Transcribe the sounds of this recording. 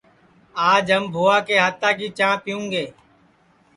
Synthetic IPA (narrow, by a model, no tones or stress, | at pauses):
aːd͡ʒɦəmbʱoːaːkeːɦat̪aːkiːt͡ʃãːpɪjũːŋɡeː